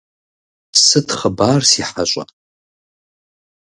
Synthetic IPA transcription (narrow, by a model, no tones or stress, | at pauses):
sɨtχəbaːrsiħaɕʷʼa̰